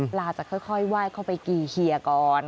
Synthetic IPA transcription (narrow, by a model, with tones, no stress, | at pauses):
laː˧t͡ɕa˨˩kʰːɔ˥˩jkʰɔ˥˩jwaː˥˩jkʰa˥˩wpa˧jkiː˨˩kʰi˧əkɔː˧n